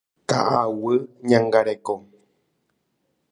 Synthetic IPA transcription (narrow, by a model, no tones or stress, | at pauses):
t̪a̰ʔawɨɲãŋɡaɾeko